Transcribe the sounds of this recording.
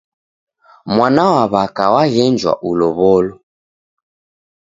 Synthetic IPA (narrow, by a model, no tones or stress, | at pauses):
mwanawaβakawaɣɛnd͡ʒwa̰ʔulɔβɔlɔ